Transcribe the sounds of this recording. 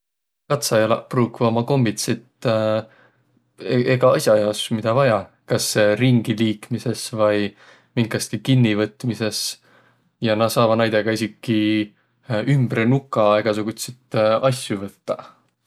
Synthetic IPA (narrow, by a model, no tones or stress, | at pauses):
kɑt̪sɑjɑlɑ̰pruːkvomɑko̞mbit̪sit̪ | eɡ̥ɑɑsjɑjɑsmid̪̥ɑvɑjɑ | kɑsriŋɡ̥iliːkmise̞svɑj | miŋkɑst̪ikinːivɤt̪ːˑmise̞s | jɑnɑsɑːvɑnɑjd̪̥e̞ɡ̥ɑisikːi | ymb̥ɾenukːˑɑe̞ɡ̥ɑsuɡ̥ut̪sit̪ɑsʲjuvɤt̪ːɑ